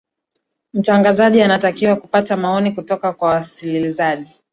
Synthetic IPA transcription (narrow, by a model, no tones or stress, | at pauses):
m̩taŋɡazaʄianatakiwakupatamaɔnikutɔkakwawasilizaʄi